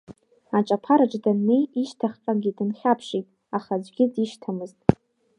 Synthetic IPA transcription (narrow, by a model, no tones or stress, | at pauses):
at͡ʃʼapʰaɾaʈ͡ʂʼdanːejiʃtʰaχʲqʼaɡʲidɨnχʲapʰʂitʼ | aχazʷɡʲɪdiʃtʰamɨztʼ